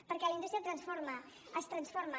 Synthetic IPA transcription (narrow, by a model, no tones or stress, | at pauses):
pəɾkɛlind̪ust̪ɾjət̪ɾənsfoɾmə | əst̪ɾənsfoɾmə